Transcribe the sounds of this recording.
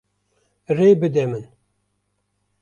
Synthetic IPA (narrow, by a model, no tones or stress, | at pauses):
reːbɨd̪ɛmɨn